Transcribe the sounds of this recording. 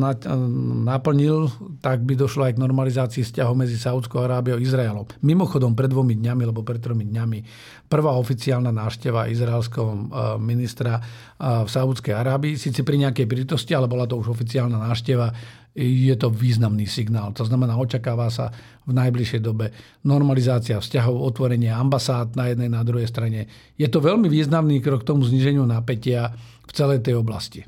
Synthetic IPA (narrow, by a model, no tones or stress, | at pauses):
napl̩ɲilt̪aɡ̚bid̪ɔʃlɔajɡnɔɾmalizaːt͡siːfscaɦɔʊmɛd͡zisaut͡skɔʊaɾaːbiɔʊizɾaɛlɔmːimɔxɔd̪ɔmpɾɛd̪ʋɔmid̪ɲamialɛbɔpɾɛt̪t̪ːɾɔmid̪ɲami | pr̩ʋaːɔfit͡siaːlnanaːʃcɛʋaʔizɾaɛlskɛɦɔminist̪ɾa | fsaut͡skɛjaɾaːbiːsiːt͡sɛpɾiɲɛakɛjpɾit̪ɔscialɛbɔlat̪ɔuʒɔfit͡siaːlnanaːʃcɛʋa | jɛt̪ɔʋiːznamniːsiɡnaːlt̪ɔznamɛnaːɔt͡ʃakaːʋasa̰ | vnajbliʃjɛjd̪ɔbɛ | nɔɾmalizaːt͡siafscaɦɔʊɔt̪ʋɔɾɛɲɪaambasaːd̪najɛd̪nɛjnad̪ɾuɦɛjst̪ɾaɲɛ | jɛt̪ɔʋɛlmiʋiːznamniːkɾɔk̚t̪ɔmuzɲiʒɛɲɪunapɛcɪa | ft͡sɛlɛjt̪ɛjɔbla̰sci